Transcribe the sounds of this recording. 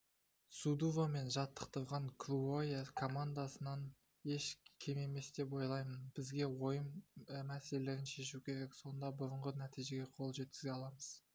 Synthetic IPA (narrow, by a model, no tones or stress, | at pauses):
sud̪uvome̞nʒɑt̪ʰːə̥qt̪əɾʁɑŋkʰɾuojekʰo̞mand̪asənɑn | e̞ʃkʲʰe̞me̞me̞sd̪e̞po̞jlˠɑjmənbɪzɡʲe̞wo̞jəmmæse̞lele̞ɾɪnʃe̞ʃ̬ukʲʰe̞ɾe̞kso̞nd̪ɑbʊɾəɴʁənæt̪ijʒe̞ɡʲe̞qʰo̞lˠʒe̞t̪̚kʲɪ̥zɡʲeɑlˠɑməz̥